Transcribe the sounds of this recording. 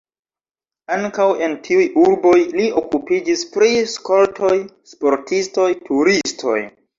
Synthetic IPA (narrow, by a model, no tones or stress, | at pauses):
aŋkawe̞ntʰiujuɾbo̞jlio̞kupid͡ʒispɾisko̞ltʰo̞j | spo̞ɾtʰisto̞jtuɾistʰo̞̰j